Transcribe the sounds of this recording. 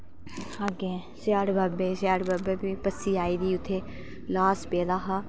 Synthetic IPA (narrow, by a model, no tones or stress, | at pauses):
aɡẽː | sjaːɽbabeːsjaːɽbaːbeːbipəsiːaːiːd̪iːʊt̪ʰːeː | laːspeːd̪aːɦaː